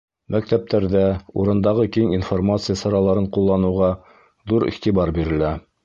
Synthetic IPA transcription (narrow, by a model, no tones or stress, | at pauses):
mæk̚t̪æp̚t̪ʰæɾðæṵɾɤ̆nd̪ɑʁɤkiŋinformat̪sɨjasɑɾɑlˠɑɾɤɴqulˠːɑnɤ̆wʁɑ | ðuɾḭχt̪ibɑɾbiɾɘ̆læ